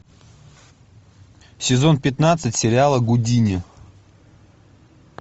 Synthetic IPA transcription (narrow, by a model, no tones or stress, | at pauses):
sʲɪzo̞npʲɪt̪nat̪sɨtʲsʲɪɾʲɪalˠəɡʊdʲinʲɪ